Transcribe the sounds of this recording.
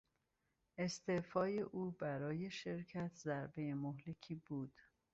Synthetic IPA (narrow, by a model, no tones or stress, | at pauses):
ʔe̞st̪efɒːje̞ʔuːbæɾɒːje̞ʃe̞ɾcʰæt̪ʰzæɾbe̞jemoɦle̞cʰiːbuːd̪̥